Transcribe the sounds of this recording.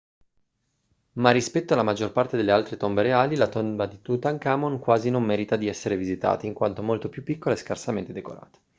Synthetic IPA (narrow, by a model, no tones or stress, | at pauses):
marːispɛt̪ːoalamad͡ʒːorpart̪ed̪elealt̪ɾet̪ombeɾeaːlilat̪ombad̪it̪ut̪aŋkaːmonkwaːzinomːɛːɾit̪ad̪iɛsːeɾevizit̪a̰ːt̪aiŋkwa̰nt̪omolt̪opjupːikːolaeskarsament̪ed̪eko̰ɾa̰ːt̪ḁ